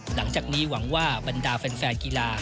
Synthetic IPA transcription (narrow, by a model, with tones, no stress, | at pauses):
la˩˦ŋt͡ɕaː˨˩k̚niː˦˥wa˩˦ŋwaː˥˩ba˧ndaː˧fɛ˧nfɛː˧nkiː˧laː˧